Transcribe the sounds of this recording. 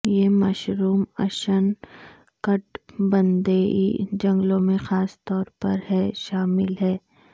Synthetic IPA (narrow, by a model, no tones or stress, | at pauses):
jeːmɐʃɾuːmɐ̰ʃən | kɐʈbɐnd̪eːḭd͡ʒɐ̃ŋɡlõmẽxaːst̪ɔːɾpɐ̰ɾhɛːʃaːmɪlɦɛː